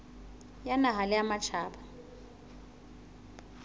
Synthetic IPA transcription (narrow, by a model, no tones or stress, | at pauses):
janaɦalɪamat͡ʃʰaːba